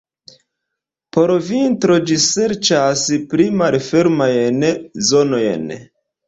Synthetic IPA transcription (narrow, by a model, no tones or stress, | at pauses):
po̞ɾvintɾo̞d͡ʒise̞ɾt͡ʃaspɾimalfe̞ɾmajenzono̞jḛn